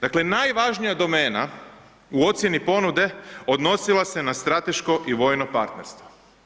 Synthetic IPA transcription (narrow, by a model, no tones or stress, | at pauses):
d̪akle̞najʋaʒnijad̪o̞meːna̰ | uo̞t̪sje̞nipo̞nud̪e̞o̞d̪no̞silˠase̞nast̪ɾat̪e̞ʃkoʔiʋo̞jnopaɾt̪ne̞ɾst̪ʋo